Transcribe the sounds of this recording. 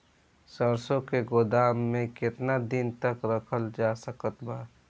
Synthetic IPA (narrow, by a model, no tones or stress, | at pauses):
səɾsõkeɡʊd̪aːmːẽkɪt̪nad̪ɪnt̪əkɾəkʰəld͡ʒaːsəkət̪baː